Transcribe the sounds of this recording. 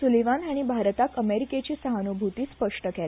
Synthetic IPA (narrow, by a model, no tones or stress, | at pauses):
suleʋanaɽ̃ibʱaɾt̪akəmeɾiket͡ɕiːsəɦanubʱut̪iːspəʂʈəkɛl